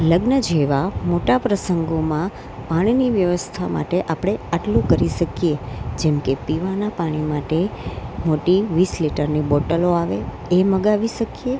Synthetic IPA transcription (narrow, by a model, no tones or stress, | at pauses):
ləɡnəd͡ʒeʋamoʈapɾəsəŋɡomã | paɽ̃iniʋjəʋəst̪ʰama̰ʈeʔapɽ̃eaʈlũkəɾiʃəkijed͡ʒɛmkepiʋanapaɽ̃imaʈemoʈiʋisliʈəɾnibɔʈəloaʋe | eməɡaʋiʃəkije